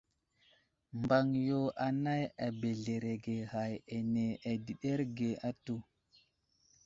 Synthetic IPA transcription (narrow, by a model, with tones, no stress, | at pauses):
mba˦ŋjo˦ʔa˨na˦ja˨be˨ɮe˨ɾe˨ɡe˨ha˨je˨ne˨ʔa˨di˨ɗe˦ɾɡe˨a˦tu˦˨